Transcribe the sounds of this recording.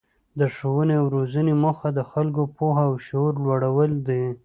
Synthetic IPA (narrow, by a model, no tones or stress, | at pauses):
d̪əʂowəneawɾozəneməxad̪əxalkopoɦaːwʃoɾlwaɽawəld̪i